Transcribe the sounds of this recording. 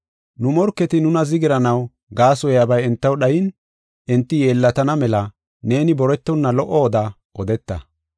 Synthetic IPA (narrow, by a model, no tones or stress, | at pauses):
nʊmɔɾkːɛt̪ɪnʊnɐzɪɡɪɾɐnɐw | ɡaːsɔjaːbɐjɛnt̪ːɐwɗɐjɪn | ʔɪnt̪ːɪjeːlːɐt̪ɐnɐmɛlɐ | ne̞ːnɪbɔɾɛt̪ːɔnːɐlɔʔɔːd̪a | ɔd̪ɛt̪ːɐ̰